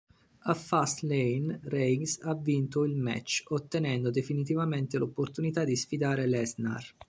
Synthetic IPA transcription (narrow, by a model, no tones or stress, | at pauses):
afast̪lenrɛŋsavːint̪oilmɛ̰t͡ʃːot̪ːenɛnd̪od̪efinit̪̬ivament̪elopːort̪unit̪ad̪isfid̪aːɾelɛsna̰r